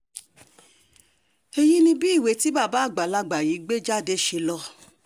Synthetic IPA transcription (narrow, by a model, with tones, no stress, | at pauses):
e˧ji˦nĩ˧bi˦˨we˨˧˦ti˦ba˦˨ba˨˦˨ɡ͡ba˨la˧˨ɡ͡ba˨ji˨˦ɡ͡be˦d͡ʒa˦˨de˦˨ʃe˧lɔ˧